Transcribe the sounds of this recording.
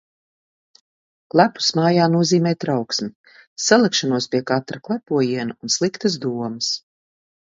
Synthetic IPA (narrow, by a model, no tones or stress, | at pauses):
lˠapu̥smaːjaːnuɔziːmɛːt̪ɾawksmi | salˠakʃanuɔspiɛkat̪ɾaklˠɛpuɔjiɛnaunslˠikt̪əz̬d̪uɔmɐs